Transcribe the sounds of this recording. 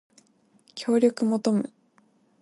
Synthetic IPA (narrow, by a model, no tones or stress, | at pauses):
kʲʰo̞ːɾʲo̞kɯ̟mo̞t̪o̞mɯ̟